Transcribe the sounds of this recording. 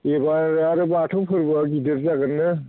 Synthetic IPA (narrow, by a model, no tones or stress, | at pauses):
ebaɾaɾɯbaʈʰowpʰɯɾbɔɡidɯɾzaɡɯnːɯ